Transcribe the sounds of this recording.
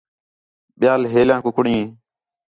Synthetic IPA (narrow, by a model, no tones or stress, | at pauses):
ɓɪjaːlɦeːljãːkʊkɽĩː